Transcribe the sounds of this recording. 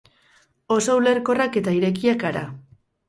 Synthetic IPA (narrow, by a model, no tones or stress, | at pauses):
o̞soule̞rko̞rake̞t̪aiɾe̞k̬iakaɾa̰